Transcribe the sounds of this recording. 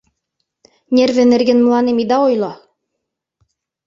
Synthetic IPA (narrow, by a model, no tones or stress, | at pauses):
nʲervɘ̆nɘ̆ɾɡɘ̆nm̆lˠɑnɘmid̪ɑojlˠɑ